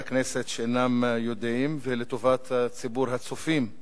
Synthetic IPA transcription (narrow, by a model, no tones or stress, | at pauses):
akneset̪ʃeenamjod̪imvelet̪ovat̪t͡sibuɾɦat͡sufim